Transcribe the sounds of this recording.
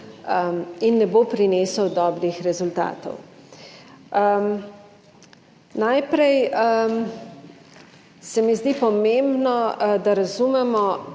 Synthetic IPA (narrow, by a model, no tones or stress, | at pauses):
inːɛbopɾineːsəwd̪ɔːbɾixɾɛzult̪a̰ːt̪ɔ̰w | najpɾɛjə | sɛmizd̪ipɔmembnɔd̪aɾazumɛmɔ